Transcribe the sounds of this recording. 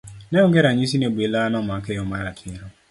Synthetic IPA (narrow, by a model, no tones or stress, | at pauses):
neʊɡeɾaɲis̬ineɡ͡belanɔmakeʊmaɾatʰɪɾʊ